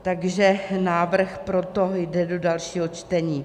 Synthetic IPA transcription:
t̪aɡʒɛnaːvr̩xpɾot̪ojdɛdo̞dalʃiːɦot͡ʃt̪ɛɲiː

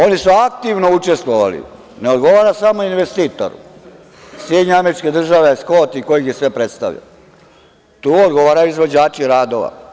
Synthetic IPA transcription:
o̞nisuak̚t̪iʋnout͡ʃe̞st̪ʋoʋalḭ | neod̪ɡo̞ʋaːɾasamoinʋest̪iːt̪o̰ɾṵ | sjed̪ɲeame̞ɾit͡ʃke̞d̪r̩ʒaʋeskoːt̪iko̞jikjesʋe̞pɾet̪st̪a̰ʋʎa̰ | t̪uːod̪ɡoʋaːɾajuizʋo̞d͡ʑaːt͡ʃiɾaːd̪o̞ʋa̰

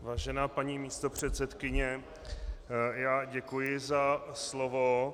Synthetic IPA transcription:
vaːʒɛnaːpaɲiːmiːst̪o̞pr̝̥ɛt̪sɛt̪kɪɲɛ | jaːɟɛkujɪzaslovo

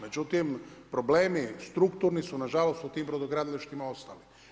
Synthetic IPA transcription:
nat͡ʃot̪impɾobleːmist̪ɾukt̪uɾnisunaʒalost̪ut̪iːmpɾod̪oɡɾad̪lʲeʃt̪imaost̪ali

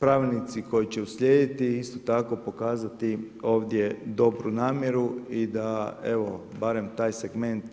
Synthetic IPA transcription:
pɾaːʋilʲnit̪siko̞jit͡ɕe̞uslʲje̞ːd̪it̪iist̪o̞t̪ako̞po̞kaːzat̪i | o̞ːʋd̪jed̪o̞bɾunaːmje̞ɾuid̪ae̞ʋo̞ | baɾe̞mt̪aːjseɡme̞nt̪

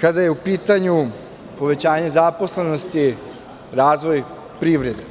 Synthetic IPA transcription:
kad̪aje̞upiːt̪aɲu | po̞ʋe̞t͡ɕaːɲezapo̞sle̞no̞st̪i | ɾaːzʋo̞j | pɾiʋɾe̞d̪e

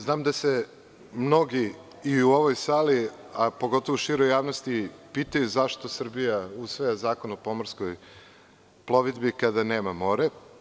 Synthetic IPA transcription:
znaːmd̪ase | mno̞ɡiː | uoʋojsaːli | apoɡo̞t̪o̞ʋoʃiɾojːaːʋnost̪ipiːt̪ajuzaʃt̪o̞sr̩bijausʋojazaːko̞nopo̞moɾskoj | plˠo̞ʋid̪bikad̪aneːmamo̞ɾe

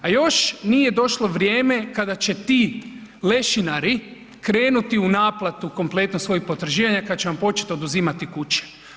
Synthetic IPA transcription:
ajo̞ʃnijed̪o̞ʃlo̞ʋɾʲjeːme̞kad̪at͡ɕe̞t̪iː | le̞ʃinaɾi | kɾe̞ːnut̪iunaːplˠat̪uko̞mple̞t̪nosʋo̞jik̚po̞t̪ɾ̩ʒiːʋaɲakad̪at͡ɕeʋampo̞t͡ʃet̪o̞d̪uziːmat̪ikut͡ʃe̥

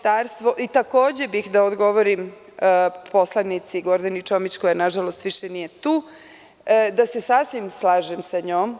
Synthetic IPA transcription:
t̪aːɾst̪ʋo̞ʔit̪ako̞ːd͡ʑe̞bixd̪aod̪ɡo̞ʋo̞ɾim | pʰo̞slˠanit̪siɡo̞ɾd̪anit͡ʃo̞mit͡ɕko̞jenaʒalost̪ʋiʃenije̞t̪uː | d̪ase̞sasʋimslˠaːʒemsaɲoːm

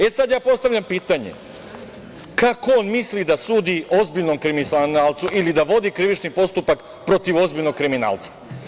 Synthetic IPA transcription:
esad̪jaːpo̞st̪aʋʎʲampiːt̪aɲḛ | kakoonmislid̪asuːd̪io̞zbiʎnomkɾimisanaːlˠt̪suʔilid̪aʋo̞d̪ikɾiʋit͡ʃnipo̞st̪upak | pɾo̞t̪iʋo̞zbiʎno̞ɡ̚kɾimina̰ːlˠt̪sḁ

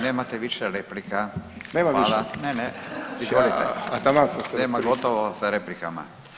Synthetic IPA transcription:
neːmat̪ɛʋiʃɛɾeplikaneːmaʋːlaneneizolit̪ɛat̪amasasneːmaɡot̪oʋosaɾeplikama̰

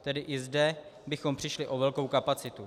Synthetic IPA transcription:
t̪ɛdɪʔɪzdɛbɪxo̞mpr̝̥ɪʃlɪʔo̞vɛlkowkapat͡sɪt̪u

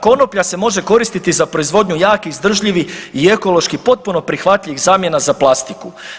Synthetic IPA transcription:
ko̞no̞pʎase̞mo̞ʒe̞ko̞ɾist̪it̪izapɾo̞izʋo̞d̪ɲujaːkiizd̪r̩ʒʎiʋiie̞ko̞lo̞ʃkipo̞t̪̚puno̞pɾixʋat̪ʎʲiʋiɣzaːmje̞nazaplˠast̪iku

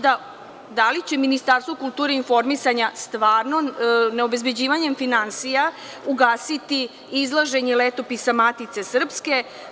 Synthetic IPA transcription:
d̪a | d̪alit͡ɕe̞minist̪aːɾst̪ʋokulˠt̪uːɾeinfo̞ɾmisaɲast̪ʋaːɾnoneo̞be̞zbe̞d͡ʑiːʋaɲe̞mfinansija | uɡaːsit̪i | izlˠaʒe̞ɲelet̪o̞pisamat̪it̪se̞sr̩pske̞

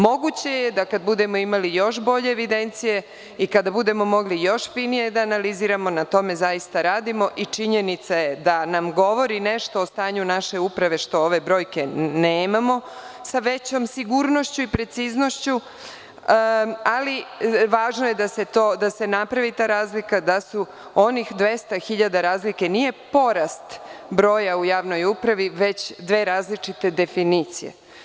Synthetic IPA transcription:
mo̞ɡut͡ɕe̞je̞d̪akad̪̚bud̪e̞mo̞imalijo̞ʃbo̞ʎe̞ːʋid̪e̞nt̪sije̞ | ikad̪abud̪e̞mo̞mo̞ɡlijo̞ʃfinije̞d̪aːnaliziɾamo̞nat̪o̞me̞zajist̪aɾaːd̪imo̞ʔit͡ʃiɲe̞nit̪sajed̪anamɡo̞ʋo̞ɾine̞ʃt̪o̞ːst̪aːɲunaʃe̞upɾaʋe̞ʃt̪o̞oʋe̞bɾo̞ːjke̞neːmamo̞saʋe̞t͡ɕo̞msiɡuːɾno̞ʃt͡ɕuipɾe̞t̪sizno̞ʃt͡ɕu | aliʋaːʒnojed̪ase̞t̪oːd̪ase̞napɾaʋit̪aːɾaːzlikad̪asu | o̞nixd̪ʋe̞st̪axiʎad̪aɾaːzlike̞nije̞po̞ɾast̪bɾo̞ːjaujaːʋno̞jupɾaʋiʋe̞t͡ɕd̪ʋe̞ːɾaːzlit͡ʃit̪e̞d̪e̞finit̪sijḛ

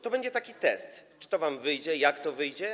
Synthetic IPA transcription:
t̪ɔbɛɲd͡ʑɛt̪akʲit̪ɛst̪t͡ʂɘ̥t̪ɔvamvɘjd͡ʑɛjakt̪ɔvɘjd͡ʑɛ

